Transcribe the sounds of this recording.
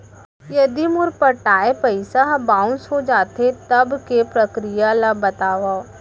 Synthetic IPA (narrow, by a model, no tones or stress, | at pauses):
jɐd̪imʊɾpɐʈaːepɐɪsaɦbãːʊ̃nsɦod͡ʒaːt̪et̪ɐbkepɾɐkɾijalabɐt̪aːʋaː